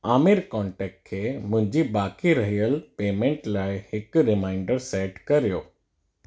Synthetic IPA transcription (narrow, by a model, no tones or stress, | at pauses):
aːmiɾkɔːɳʈɛːk̚ʈ̚kʰeːmʊ̃ɦɪ̃ɲd͡ʑibaːkiɾɐɦijəlpeːmẽɳʈlaːɪhɪkɾɪmãːɪ̃ɳɖəɾseːʈkɐɾijoː